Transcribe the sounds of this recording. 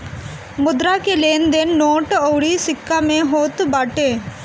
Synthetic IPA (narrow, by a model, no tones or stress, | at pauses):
mʊd̪ɾakeleːnd̪enːoːʈɔwɽisɪkːamẽɦoːt̪baːʈẽ